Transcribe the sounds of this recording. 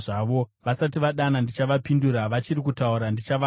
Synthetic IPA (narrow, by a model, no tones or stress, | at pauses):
ʐaʋo̞ʋasatiʋaɗanandit͡ʃaʋapinduɾaʋat͡ʃirikutauɾandit͡ʃaʋa